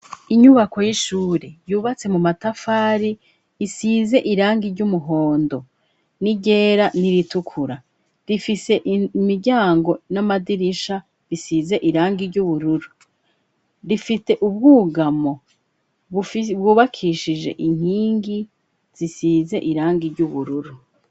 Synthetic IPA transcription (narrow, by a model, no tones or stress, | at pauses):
iɲuβako̞jiʃuːɾejuːβat͡se̞mumatafaːɾiː | size̞ʔiɾaːŋɡiɾɟumuɦo̞ːndo̞ | niɟe̞ːɾaniɾitukʰuɾa | ɾifise̞ʔmiɾɟaːŋɡo̞namadiɾiʃa | βisize̞ʔiɾaːŋɡiɾɟuβuɾuɾu | ɾifite̞ʔub̚ɡuːɡamo̞ | bɡuːβakʰiʃid͡ʒe̞̰ʔiŋ̥hiːŋɡi | z̥isize̞ʔiɾaːŋɡiɾɟuβuɾuɾu